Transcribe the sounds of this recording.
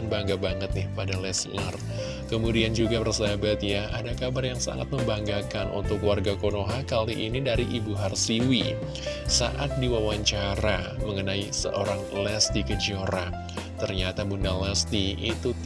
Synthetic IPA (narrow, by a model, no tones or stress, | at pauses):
nbaŋɡabaŋət̪̚nɪhpadalɛslər | kəmudiand͡ʒuɡabərsəabat̪jaadakabarjaŋsa̰ŋa̰t̪̚məmbaŋɡakanʔṵnt̪ʊkluwarɡakonoɦakaliʔinidaɾiʔibuɦarsiwi | sa̰ʔat̪̚diwawaɲt͡ʃaɾaməŋənaisə̰ʔoɾaŋlɛsdikəd͡ʒioɾa | t̪ərɲat̪abundalast̪iit̪ut̪